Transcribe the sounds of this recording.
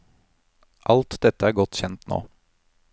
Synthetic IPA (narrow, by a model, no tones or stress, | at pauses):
ʔɑlt̪d̪ɛt̪əæːɾɡɔt̪çɛnt̪no̰ː